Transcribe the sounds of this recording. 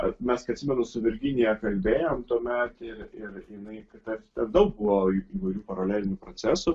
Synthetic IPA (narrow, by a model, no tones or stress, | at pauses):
ɐmʲɛskɐɪɐt̪ʲsʲɪmʲɛnʊsʊʋʲɪɾʲɡʲɪnʲɪjɛkɐlʲbʲeːjoːmt̪uːmʲɛt̪ɪrɪrjɪnɐɪkɐt̪ɐt̪ʲɛnd̪ɐʊk̚bʊʋoːiiːʋɐɪɾʲuːpɐɾɐlʲæːlʲɪnʲʊpɾot͡s̪ʲæːsʊ